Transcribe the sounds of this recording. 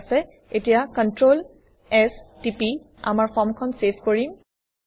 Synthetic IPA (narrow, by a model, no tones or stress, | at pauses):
sɛ | etijakɔntɹol | ɛstipi | a̰maɹfʰɔmkʰɔnsepʰkoɹim